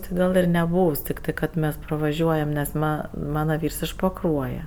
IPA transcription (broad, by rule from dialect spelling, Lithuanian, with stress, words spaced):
tɜ ˈɡɐlˠ ɪr nʲɛˈbuːws tʲɪkˈtɜ kɐt ˈmʲɛs prɐʋɐˈʒʲuɔjɛm nʲɛs ˈmɐ ˈmɑːnɐ ˈʋʲiːrs ɪʃ pɐˈkruɔjɛ